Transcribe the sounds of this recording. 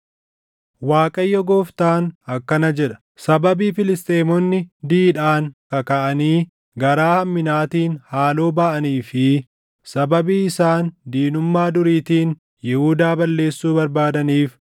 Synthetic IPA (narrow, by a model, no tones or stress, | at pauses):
waːkʼɐjːɔɡoːft̪aːnɐkːɐnɐd͡ʒɛᶑɐ̥ | sɐbɐbiːfɪlɪst̪ʼeːmɔnːɪd̪iːᶑaːŋkɐkɐʔɐniː | ɡɐɾaːhɐmːɪnaːt̪iːnhaːlo̞ːbɐʔɐniːfɪ | sɐbɐbiːɪsaːnd̪iːnʊmːaːd̪ʊɾiːt̪iːn | jɪhuːd̪aːbɐlːe̞ːsːuːbɐɾbaːd̪ɐniːf